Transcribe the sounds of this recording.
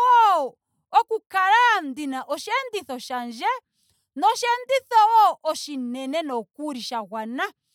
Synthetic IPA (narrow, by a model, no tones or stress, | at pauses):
ɔɔ | ɔkukaɾandinaʔɔʃɛndiθɔʃand͡ʒɛ | nɔʃɛnd̪iθɔwɔʔɔʃinɛnɛnɔkuɾiʃaɣwana